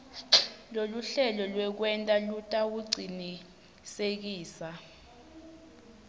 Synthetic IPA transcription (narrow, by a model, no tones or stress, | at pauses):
loluɬɛlɔlwɛk̬wɛntʼalutʼak̬uɡ͡ǀʱini | sek̬iːsa